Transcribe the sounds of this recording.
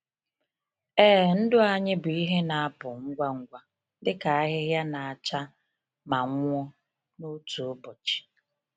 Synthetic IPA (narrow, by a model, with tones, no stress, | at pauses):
ɛː˦n̩˦dʊ˦a˦˨ɲɪ˦bʊ˨i˦ɦe˦na˨a˦pʊ˨ŋ̩˦ɡʷa˦ŋ̩˦ɡʷa˨˦ | dɪ˦ka˨a˦ɦɪ˦ɦja˦na˨a˨t͡ʃa˦ | ma˨ŋʷ˦ɔ˦ | nu˦tu˨ʊ˦bʊ˨t͡ʃi̥˨